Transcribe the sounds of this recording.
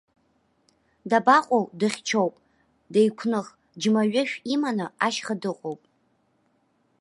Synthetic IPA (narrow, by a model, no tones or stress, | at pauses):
dabaqʷʼowdɨχʲt͡ʃʰowpʼ | dajkʷʰnɨχ | d͡ʒmaɥɪʃᶣimanɨaʃχadɨqʼowpʼ